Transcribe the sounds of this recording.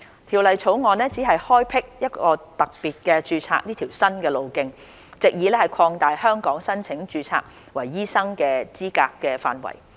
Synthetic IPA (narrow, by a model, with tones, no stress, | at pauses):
t̪ʰiː˨˩wlɐ˨jt͡sʰo˨˥wŋɔː˨nɛː˥t͡siː˨˥ɦɐ˨jhɔː˥jpʰɪ˥k̚jɐ˥t̚kɔː˧t̪ɐ˨k̚piː˨t̚kɛː˧t͡ʃyː˧t͡sʰa̰ː˧k̚niː˥t̪ʰiː˨˩wsɐ˥nkɛː˧lo˨˧wkɪ˧ŋ | t͡sɪ˨k̚jiː˨˧lɛː˥hɐ˨jkʰɔː˧ŋt̪aː˨jhœː˥ŋkɔː˨˥ŋsɐ˥nt͡sʰɪ˨˥ŋt͡ʃyː˧t͡sʰa̰ː˧k̚ | wɐ˨˩jːiː˥sɐ˥ŋkɛː˧t͡siː˥ka̰ː˧kːɛː˧fa̰ː˨nwɐ̰˨˩j